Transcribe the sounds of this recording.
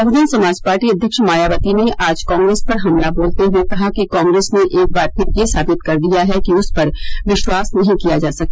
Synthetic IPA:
ɐʋɪd̪ənsɐmaːd͡ʒpaːɾʈiɐd̪ʱjəkʃəmaːjaːʋət̪ineʔaːd͡ʒkɔ̃ːŋɡɾeːspɐɾɦɐmlaboːlt̪eɦuekɐɦakikɔ̃ːŋɡɾeːsneʔeːk̚baːɾpʰɪɾjesaːbɪt̪kɐɾd̪ijaɦɛkiʊspɐɾʋɪʃwaːsnɐɦĩkijad͡ʒaːsɐk̚t̪eː

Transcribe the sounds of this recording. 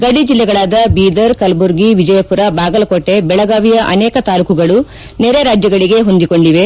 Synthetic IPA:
ɡɐɽid͡ʒilːɛɡɐɭaːd̪ɐbiːd̪ɐɾkɐlbuɾɡiʋid͡ʒɐjɐpuɾɐbaːɡɐlɐkoʈːe̞bɛɭɐɡaːʋijɐʔɐnɛːkɐt̪aːlukuɡɐɭu | neɾeɾaːd͡ʒjɐɡɐɭiɡe̞ɦo̞nd̪iko̞ɳɖiʋe̞

